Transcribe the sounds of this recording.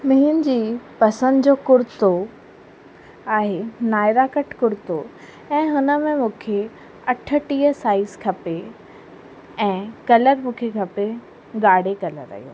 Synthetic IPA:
mɪɦʊnɪ̆d͡ʑiːpɐsə̃nd̪d͡ʑoːkʊɾt̪o | aːɦenaːɪɾakəʈʰkʊɾt̪o | ɛ̃ːɦʊnə̆mẽmũːkʰe | ɐʈʰə̆ʈiːəsaːɪzkʰɐpe | ɛ̃ːkɐləɾmũːkʰekʰɐpe | ɡaːɽ̤ekɐlə̰ɾɐ̰ɦjo̰ː

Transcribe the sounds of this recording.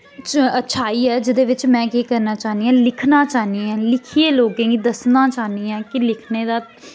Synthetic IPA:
t͡ʃətːʃʰaːiːɦɛːd͡ʒɪd̪eːʋɪt͡ʃmɛ̃ːkiːkəɾnaːt͡ʃaːniːãːlɪkʰnãːt͡ʃaːɦniːãːlɪkʰieːloːkẽːɡid̪əsnãːt͡ʃaːniːãːkɪlɪkʰneːd̪aː

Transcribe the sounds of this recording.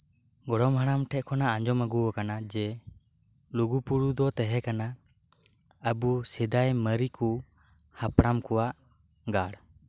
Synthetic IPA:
ɡɔɽɔmɦaɽ̃amʈʰɛʔ̪̚kʰɔnaaɲd͡ʒɔməɡuɔkanad͡ʒɛ | luɡupuɽud̪ɔt̪ɛɦɛkana | əbusɛd̪ajməɾiku | hapɽamkɔwaʔ | ɡaɽ

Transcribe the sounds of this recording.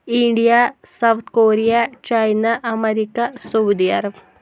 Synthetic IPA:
iɳɖijɐ | sɐwt̪ʰkoːɾijɐt͡ɕɐjnɐʔɐmeɾikːɐsowd̪ijɐr

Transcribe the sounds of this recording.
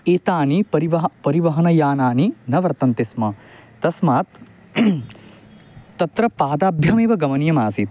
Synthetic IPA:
eːt̪aːnipɐɾiʋɐpɐɾiʋɐɦɐnɐjaːnaːninɐʋɐɾt̪ɐnt̪ismɐt̪ɐsmaːt̪ | ɐt̪ɾɐpaːd̪aːbʱjɐmeːʋɐɡɐmɐnjɐmaːsit̪̚

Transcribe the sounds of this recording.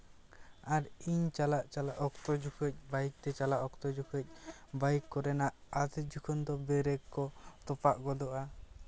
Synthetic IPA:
aɾiɲt͡ʃalaʔt͡ʃalaʔɔkt̪ɔd͡ʒukʰəc̚ˀbaik̚t̪ɛt͡ʃalaʔɔkt̪ɔd͡ʒukʰəc̚ˀ | baikːɔɾɛnaʔad̪id͡ʒukʰɔnd̪ɔbɛɾɛkːɔt̪ɔpaʔɡɔd̪ɔʔa

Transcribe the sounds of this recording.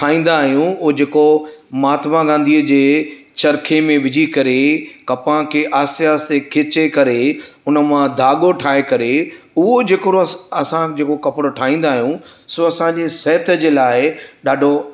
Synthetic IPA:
ʈʰaːĩːn̆d̪aːɦijũʊɦd͡ʑeːkomaːt̪mãɡãːnd̪ʱiːəd͡ʑeː | t͡ɕɐɾkʰemẽʋɪd͡ʑʱikɐɾekɐpãkʰeːʔaːsɪaːsekʰeːt͡ɕekɐɾeʊnə̆mãd̪ʱaːɠoʈʰaːekɐɾe | ʊɦod͡ʑeːkɾoɐsãd͡ʑeːkokɐpɽoʈʰaːĩːnd̪aːɦijũsoɐsãɲd͡ʑesɛːt̪ʰə̆d͡ʑeːlaːɪɗaːɖʱo

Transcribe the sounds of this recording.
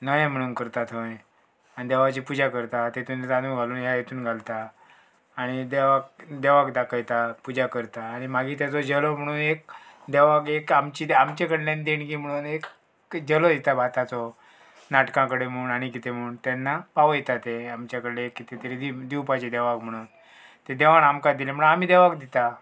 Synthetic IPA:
nəjẽm̤əɽ̃uːnkəɾt̪at̪ə̃j | anid̪ɛʋat͡ɕiːpud͡ʑakəɾt̪at̪et̪uːnt̪ad̪uːɡʱaluːnjajet̪uːnɡʱalt̪aː | ɽ̃id̪eʋak̚d̪ɛʋakd̪akʰəjt̪apud͡ʑakəɾt̪aːɽ̃imaɡiːt̪jat͡sɔd͡ʑəlom̤əɽ̃uːnek̚ | d̪eʋakekamt͡ɕid̪amt͡ɕakəɽlãnd̪inkiːm̤əɽ̃uːnek | d͡ʑəlɔd̪it̪abʱat̪at͡sɔ | naʈkãkəɽem̤əuːnaɽ̃ikit̪em̤əuːnt̪ɛnːapaʋəjt̪at̪eamt͡ɕjakəɽleekːit̪et̪əɾed̪id̪iwpat͡ɕid̪ɛʋakm̤əɽ̃uːn | t̪ed̪eʋanamkad̪ilem̤əɽamiːd̪eʋakd̪it̪a

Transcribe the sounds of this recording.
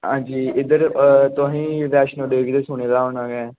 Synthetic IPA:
ɦãːd͡ʒiːɪd̪əɾt̪ʊɦĩːɾɛːʃnəːɖeːɡid̪eːsʊːñeːd̪aːɦoːnaːɡɛː

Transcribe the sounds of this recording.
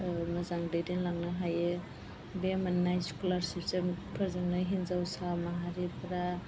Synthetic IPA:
mɐzaŋdejdenlaŋnɯɦajɯ | bemanːajskulaɾsiptempʰəɾzaŋnaɦinzawsamaɦaɾipʰɾa

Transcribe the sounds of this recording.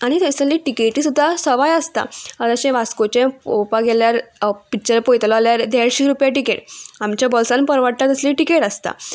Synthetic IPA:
aɽ̃it̪ẽsəliːʈikeʈiːsud̪ʱːasəʋajəst̪a̰əɾəɕẽʋaskot͡ɕẽopaɡeljaɾpikt͡ɕəɾpojt̪lɔaljaɾd̪eɽɕiɾupjaʈikeʈamt͡ɕjabɔlsãnpəɾʋəʈt̪at̪əsliːʈikeʈəst̪a̰

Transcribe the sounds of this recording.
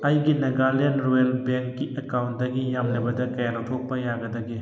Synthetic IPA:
ɐjɡineɡalenɾoelbeŋkːiʔɐkawntdɐɡijamlɐbɐdɐkɐjanɐtʰok̚pːɐjaɡɐdɐɡi

